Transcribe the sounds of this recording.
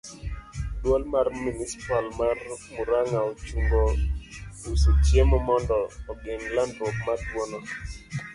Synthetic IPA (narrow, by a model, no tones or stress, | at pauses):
dwɔlmarminisi̥palmarmuɾaŋaot͡ʃumbɔ | usetjemɔmɔndɔːɡeŋlandwɔk̚matwɔnɔ